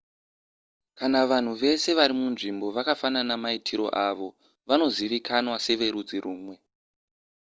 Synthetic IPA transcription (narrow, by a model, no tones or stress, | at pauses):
kanaʋan̤uʋe̞se̞ʋaɾimunʐimbo̞ʋakafananamaitʰiɾo̞̰ʔaʋo̞ | ʋano̞ziʋikʰanwase̞ʋe̞ɾud͡ziɾuːmwe̞